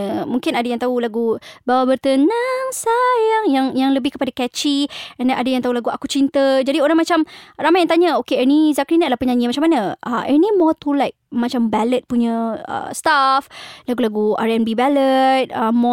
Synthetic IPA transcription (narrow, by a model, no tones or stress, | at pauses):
əmuŋkɪnadajaŋt̪aulaɡubawabərt̪ənaŋsajaŋjaŋjaŋləbɪhkəpadakɛt͡ʃiɛnʔadajaŋt̪aɦulaɡuakut͡ʃint̪əd͡ʒadioɾaŋmat͡ʃamramajaŋt̪aɲəokeɛnizakɾinalahpəɲaɲiəmat͡ʃamanəəʔɛ̰nimɔt̪ulaɪjk̚mat͡ʃambɛlət̪̚puɲəə̰st̪aflaɡulaɡua̰ɹɛnbibɛlət̪̚əmɔ